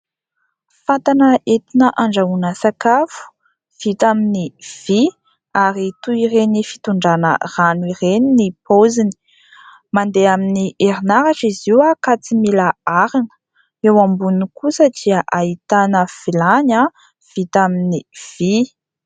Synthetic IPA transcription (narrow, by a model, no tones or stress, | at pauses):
fat̪anəʔet̪inəʔaɳɖ͡ʐaunəsakafu̥ | v̥it̪aminiv̥i | aɾit̪uiɾenifi̥t̪uɳɖ͡ʐanə̰ranuireninipozini̥ | mand̪eaminiʔeɾinaɾaʈ͡ʂiziwakat͡similaaɾinə̥ | ewambunikusəd̪̥iəʔait̪anəv̥ilaɲa | v̥it̪aminiv̥i